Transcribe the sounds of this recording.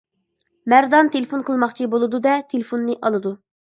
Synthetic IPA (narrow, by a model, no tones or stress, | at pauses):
mæɾd̪ɑnt̪ʰelɪfonqʰəlˠmɑχt͡ʃʰibolˠɨd̪ud̪ɛt̪ʰelɪfonːɨʔɑlˠɨd̪u